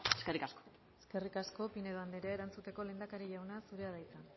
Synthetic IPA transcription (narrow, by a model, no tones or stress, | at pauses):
eskerikasko̥ | eske̞rikasko̞pine̞ðoand̪eɾeaeɾant͡sut̪e̞ko̞le̞ːnd̪akaɾiʝawnasuɾe̞aðajt͡san